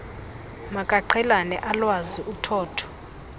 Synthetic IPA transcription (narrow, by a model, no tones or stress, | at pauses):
makʼaǃʰɛlanɛ̰ʔalwaziʔutʰɔːtʰɔ̥